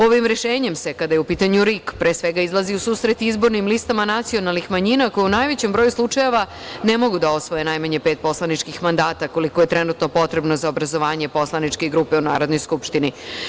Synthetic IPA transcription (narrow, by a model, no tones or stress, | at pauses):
o̞ʋimɾeʃeːɲe̞mse̞kad̪ajeupiːt̪aɲuɾikpɾeːsʋe̞ɡaizlˠaziusuːsɾet̪iizbo̞ɾnimlist̪amanat̪sio̞nalˠnixmaɲinako̞jeunaːjʋet͡ɕe̞mbɾo̞juslˠut͡ʂaje̞ʋa | ne̞mo̞ɡud̪ao̞sʋojenajmaɲe̞peːt̪̚po̞slˠanit͡ʃkixmand̪aːt̪ako̞liko̞je̞t̪ɾenut̪no̞po̞t̪ɾe̞bno̞zaobɾazo̞ʋaːɲe̞po̞slˠanit͡ʃkeɡɾuːpe̞una̰ːɾo̞d̪no̞jskupʃt̪ini